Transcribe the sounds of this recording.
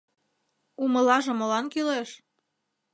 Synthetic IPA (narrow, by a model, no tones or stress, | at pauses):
umə̆lɑʒɤ̆mɤ̆lɑnkyleʃ